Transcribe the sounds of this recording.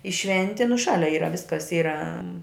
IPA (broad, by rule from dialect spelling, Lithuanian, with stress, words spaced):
ɪ ˈʃʲʋʲɛnʲtʲɪ nʊ ˈʃɑːlʲɛ ˈiːrɐ ˈʋʲɪskɐs ˈiːrɐ